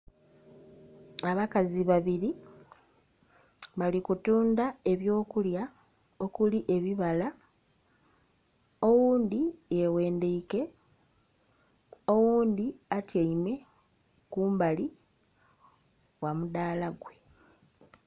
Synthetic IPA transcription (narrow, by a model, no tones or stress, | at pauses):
aβakaziβaβiɾi | βalikutuːndae̞βjo̞ːkulja | o̞kuliʔe̞βiβala | o̞wuːnd̪iewe̞ːndeike̞ | o̞wuːnd̪iatjaime̞ | kuːmbali | wamudaːlaɡwe